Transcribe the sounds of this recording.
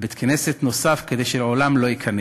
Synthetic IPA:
bet̪kʰneset̪no̞safked̪ejʃeolamlo̞jikʰɐne

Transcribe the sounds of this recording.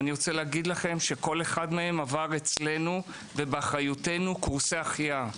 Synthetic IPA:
niʁo̞t͡se̞leːɡid̪laχe̞mʃe̞ko̞le̞χad̪me̞e̞mavaʁe̞t͡sle̞nu | ve̞beaχajute̞nukuʁseaχija

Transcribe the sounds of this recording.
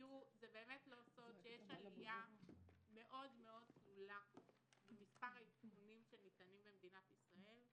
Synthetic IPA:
juzebe̞ːmetlo̞so̞d̪ʃejeʃalija | me̞ʔo̞dmeo̞d̪̚slula | bemispaʁitkunimʃenit̪animbemed̪inat̪isʁae̞l

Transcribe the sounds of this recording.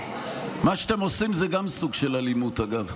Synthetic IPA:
maʃat̪emosimzeɡamsuɡʃelalimut̪aɡav

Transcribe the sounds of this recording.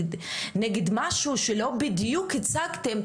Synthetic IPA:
nɛɡed̪maʃuʃelo̞bid̪jukʰet͡saɡt̪em

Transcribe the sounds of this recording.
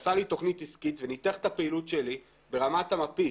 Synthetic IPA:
salit̪o̞χnit̪iskit̪venit̪eχtapeilutʃeli | be̞ʁamatamapi

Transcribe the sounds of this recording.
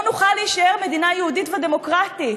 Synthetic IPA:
nuχaliːʃaeʁme̞d̪inajeud̪itvad̪e̞mo̞kʁat̪i

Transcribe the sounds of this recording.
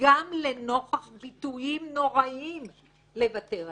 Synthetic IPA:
ɡamle̞no̞χaχbitujimno̞ʁaim | le̞vate̞

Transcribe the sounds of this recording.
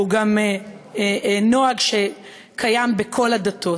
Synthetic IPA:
uɡam | noaɡʃe̞ | kʰajambekʰo̞lad̪at̪ʰo̞

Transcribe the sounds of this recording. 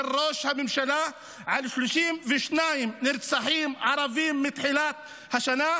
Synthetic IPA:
rˤːoːʃhamɪmʃalaː | ʕalʃluʃiːmvɪʃnaːjɪmnɪɾt̪sˤaħiːmʕɑɾˤɑviːmːɪt̪ħilaːt̪̚ | haʃanaː

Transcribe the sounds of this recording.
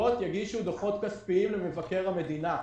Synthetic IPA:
o̞t̪jaɡiʃud̪oχo̞t̪kaspiimleme̞vake̞ʁhame̞d̪ina

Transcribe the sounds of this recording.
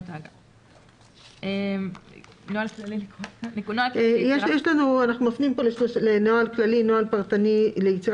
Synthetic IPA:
taɡ | em | noalklalinenaakːjeʃjeʃlanuanaχnumafniimpo̞leʃloʃlenoalklalinoalpaʁt̪anile̞jet͡siʁ

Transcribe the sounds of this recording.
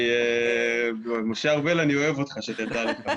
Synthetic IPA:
e | moʃeaʁbelanio̞e̞vot̪χaʃet̪jad̪alika

